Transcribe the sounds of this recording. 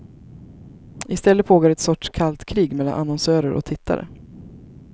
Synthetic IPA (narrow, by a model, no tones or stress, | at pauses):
ɪst̪ɛlːəpʰoːɡoːɾɛt̪sɔʈʂkʰalt̪kʰɾiːɡmɛlːa̰nʔa̰nɔnsœːɾəɾʔɔ̰k̚t̪ʰɪt̪ʰːa̰ɾə̰